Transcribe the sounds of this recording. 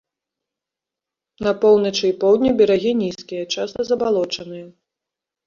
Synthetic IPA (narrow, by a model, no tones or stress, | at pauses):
nɐpɔwˠnɐt͡ʂɨipɔwd̪ʲnʲibʲɛɾaɣʲinʲiskʲijɐt͡ʂast̪ɐzɐbalˠɔt͡ʂɐnɨjɐ